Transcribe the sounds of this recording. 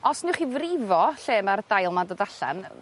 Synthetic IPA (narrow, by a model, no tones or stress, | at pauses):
ɔsnɪwχivrɪvɔɬeːmard̥ajlˠmadɔdaɬa̰n